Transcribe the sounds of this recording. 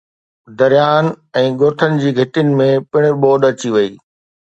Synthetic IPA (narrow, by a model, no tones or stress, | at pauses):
d̪ɐɾjaːnɛ̃ːɡoːʈ̪ʰənɪ̆d͡ʑiːɡʱɐʈijənɪ̆mẽpɪɽ̃ɓoːɗɐt͡ɕiʋɐiː